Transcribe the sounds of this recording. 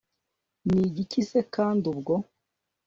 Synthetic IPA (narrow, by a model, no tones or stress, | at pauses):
niɟicise̞kaːndubɡo̞